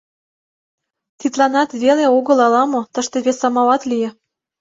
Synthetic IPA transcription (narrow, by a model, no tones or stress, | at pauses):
t̪it̪lɑnɑt̪βeleoɣɤ̆lɑlɑmot̪ə̆ʃt̪eβesɑmɑɑt̪lijĕ